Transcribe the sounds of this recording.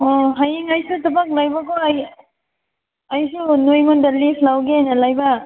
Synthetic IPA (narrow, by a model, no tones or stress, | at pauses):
ɔɦajiŋɐjsutɐbak̚lajbakɔj | ɐjsunojmɔndalipʰlawɡeajnalajba